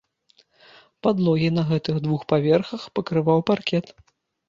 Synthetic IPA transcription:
pad̪lˠɔɣʲinɐɣɛt̪ɨɣd̪vuxpavʲɛrxɐxpɐkɾɨvawparkʲɛt̪

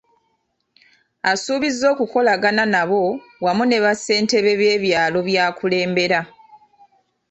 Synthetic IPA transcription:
asuːβizo̞ːkuko̞laɡananaβo̞ | wamune̞βase̞ːnte̞βe̞βe̞ːβjaːlo̞βjaːkule̞ːmbe̞ɾa

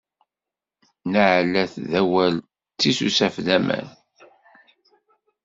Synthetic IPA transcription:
nəʕlæθðæwæl | t͡s̪ːisusæfðæmə̰n

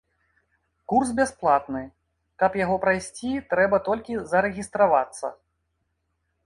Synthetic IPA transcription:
kursbʲasplˠat̪nɨ | kɐpjaɣɔpɾajsʲt͡sʲit̪ɾɛbɐt̪ɔlʲkʲizɐɾɛɣʲist̪ɾavat̪sːɐ̰

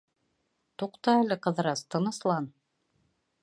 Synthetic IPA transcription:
t̪uqt̪ɑælɘqɤ̆ðɤ̆ɾɑst̪ɤ̆nɤ̆slˠɑn

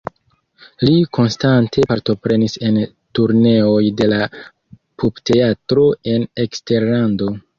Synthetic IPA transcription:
likʰo̞nstantʰe̞paɾto̞pɾe̞nise̞n | tuɾne̞o̞jde̞la | pubte̞atɾo̞e̞ne̞kste̞ɾlando̞

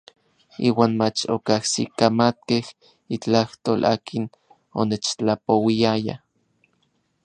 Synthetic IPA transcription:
ḭːwaːnmat͡ʃo̰kahsḭkamat̪̚keh | it͡ɬaht̪oːlʔa̰ːkʰin | onet͡ʃt͡ɬapowiaja̰

